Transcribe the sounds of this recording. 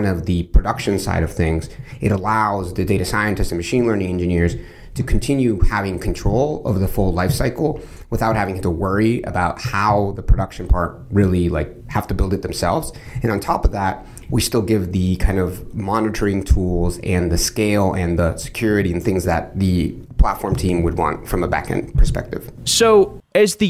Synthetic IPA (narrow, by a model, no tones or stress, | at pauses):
nʌvðɨpʰɹ̥ɨdʌkʃɨ̃nsa̰ɪɾʌv̥θɪ̃ŋzɨɾəlaʊzðɨdeɪɾɨsaɪɨ̃ntɨstsn̩mɨʃĩnlɜ̃˞nɪ̃ŋɛ̃nd͡ʒɨnɪɹz̥ | tʰɨkʰn̩tʰɪ̃njʉhævɪ̃ŋkʰn̩tʰɹ̥oʊlˠo̰vðəfʊlˠdˡlaɪfsaɪkl̩ˠ | wəθaʊt̚hævɪ̃ŋtəwɜ˞iɨ̰baʊt̚haʊðəpʰɹ̥ɨɾʌkʃn̩pʰɑɹt̚ɹɪlˠilaɪk̚hæftɨbɪlˠdɨt̪̚ðɨ̃m̩sɛ̰lˠvz̥ɨ̃nə̃ntʰɔpʌvðæt̚ | wistɪlˠɡɪvðɨkʰãɪ̃ndʌvmɑnɨɾə˞ɪ̃ŋtʰulˠzɨ̃nðɨskeɪlˠɨ̃nðəsɨ̥kʰj̥ʊɹɨɾiɨ̃nθɪ̃ŋzðɨ̰t̪̚ðɨ | pʰl̥ætfɔɹmtʰĩmwəd̚wɑ̰̃ntfɹʌ̃məbæ̰kɨ̰̃npʰə̥˞spɛ̰k̚tɨ̰v̥soʊɨzðɨ